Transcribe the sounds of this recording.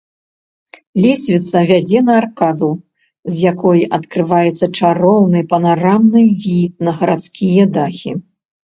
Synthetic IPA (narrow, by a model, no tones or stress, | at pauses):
lʲɛsʲvʲit̪sɐvʲad͡zʲɛnɐːrkad̪u | zʲjakɔjʔɐt̪kɾɨvajɛt̪sːɐt͡ʂaɾɔwnɨpɐnaɾamnɨvʲit̪̚nɐɣɐɾat̪skʲijɐd̪axʲi